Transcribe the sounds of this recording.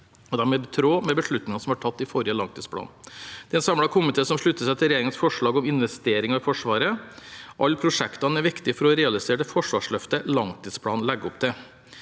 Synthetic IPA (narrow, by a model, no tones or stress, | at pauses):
ɔd̪æɾmɛbt̪ʰɾoːmɛbəʂɭʉt̪nɪŋɑsɔmhɑʈʰɑt̪ːɪfɔɾɪəlɑŋt̪ʰiːspʰlɑ̰ːnd̪̥ɛɛnsɑmlɽɑkʰʊmɪt̪ʰeːsɔmʂɭʉt̪ːəsæɪt̪ʰɪɾɛjeːɾɪŋənsfɔʂɭɑːɡɔmɪnʋɛst̪eːɾɪŋɑɪfɔʂʋɑːɾəʔɑlːpʰɾʊʂɛkt̪ɑnəæɾʋɪkt̪ɪfɔɾɔɾɛːɑlɪseːʈəfɔʂʋɑːʂɭœft̪əlɑŋt̪iːspʰɽɑːnlɛɡːəɔpd̪ɛ